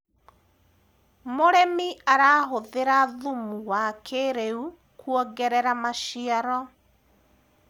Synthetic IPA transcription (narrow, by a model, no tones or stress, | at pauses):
moɾɛmiaɾaːɦoðeɾaðumuwakʰeɾeu | kuɔɡɛɾɛɾamaʃiaɾɔ